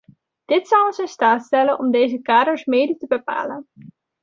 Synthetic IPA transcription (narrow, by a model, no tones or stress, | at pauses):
d̥ɪtsʌwənsɪnstaːtstɛlənʔɔmdejzəkaːdəɹsmeːdətəbəpa̰ːlən